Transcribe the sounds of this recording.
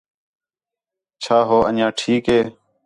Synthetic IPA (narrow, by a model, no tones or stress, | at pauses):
t͡ʃʰaːɦoːʔə̰nãːʈʰiːkɦeː